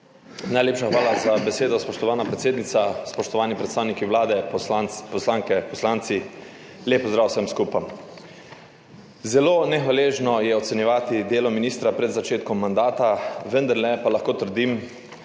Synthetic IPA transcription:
najleːpʃaxʋaːlazabɛseːd̪ɔspɔʃt̪ɔʋaːnapɾɛt̪seːd̪nit̪saspɔʃt̪ɔʋaːnipɾɛt̪st̪aːwnikiʋlaːd̪ɛapɔslaːŋkɛpɔslaːnt̪si | leːpɔzd̪ɾaːwsəmskuːpam | zɛloːnɛxʋaleːʒnɔjɛɔt̪sɛnjɛʋaːt̪id̪eːlɔminiːst̪ɾapɾɛd̪zat͡ʃeːt̪kɔmːand̪aːt̪aʋənd̪aɾlɛpalaxkoːt̪əɾd̪im

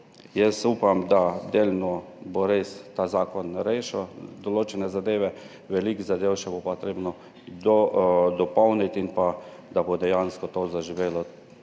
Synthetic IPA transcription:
jɛsuːpamd̪ad̪eːlnɔ | boɾest̪azaːkɔnɾeːʃɛd̪ɔloːt͡ʃɛnɛzad̪eːʋɛ | ʋɛlikzad̪ewʃɛbopɔt̪ɾeːbnɔ | d̪d̪ɔpɔwnit̪inpa | d̪abod̪ɛjanskɔt̪oːzaʒiʋeːlɔ

